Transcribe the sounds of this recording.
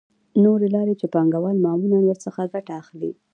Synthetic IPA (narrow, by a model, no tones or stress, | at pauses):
noɾelɑɾet͡ʃepɑŋɡawɑlmɑmunanwəɾsəxaɡaʈaːxlḭ